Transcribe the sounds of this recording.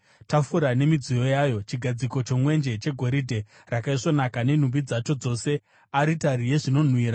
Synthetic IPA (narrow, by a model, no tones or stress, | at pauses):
tafuɾane̞mid͡zijo̞jajo̞t͡ʃiɡʱad͡ziko̞t͡ʃo̞mwe̞nd͡ʒe̞t͡ʃe̞ɡʱo̞ɾidʱe̞ | rakaiʂo̞nakane̞n̤umbid͡zat͡ʃo̞d͡zo̞se̞ | aɾitaɾije̞ʐino̞n̤wiːɾa